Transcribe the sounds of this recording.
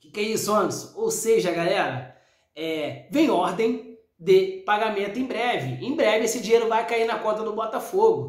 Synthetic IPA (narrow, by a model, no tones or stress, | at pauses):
kɪkejisʊɐ̃nsʊowseʒɐɐɡalɛɾɐ | ɛvẽj̃ɔɾd̪ẽj̃ | d̪ɪpaɡamẽnt̪ʊẽbɾɛvɪẽj̃bɾɛvɪesɪd͡ʒiejɾʊvajkainɐkõnt̪ɐd̪ʊbɔt̪ɐfoɡʊ